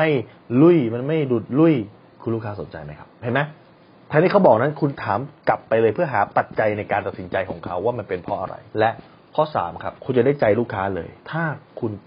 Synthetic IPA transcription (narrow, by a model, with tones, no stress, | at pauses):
ma˥˩j | lu˥˩jma˧nma˥˩jdu˨˩t̪̚lu˥˩j | kʰu˧luː˥˩kʰaː˦˥so˩˦nt͡ɕa˧jma˦˥jkʰa˦˥p̚hʰa˦˩jma˦˥j | t̪ʰa˧ŋt̪iː˥˩ka˦˥wbɔː˨˩k̚na˦˥nkʰu˧nt̪ʰaː˩˦mka˨˩pːa˧jlɤː˧jpʰɯ˥˩ɐɦaː˩˦pa˨˩t̪̚t͡ɕa˧jna˧jkaː˧nt̪a˨˩t̪̚si˩˦nt͡ɕa˧jkʰɔː˩˦ŋkʰa˦˥wːaː˥˩ma˧npe˧npʰɔ˦ʔa̰˧ɾa̰˧jlɛ˦˥ʔ | kʰɔː˥˩sa̰ː˩˦mkʰa˦˥p̚kʰu˧nt͡ɕa˨˩da˥˩jt͡ɕa˧jluː˥˩kʰːaː˦˥lɤ̰ː˧jt̪ʰaː˥˩kʰu˧n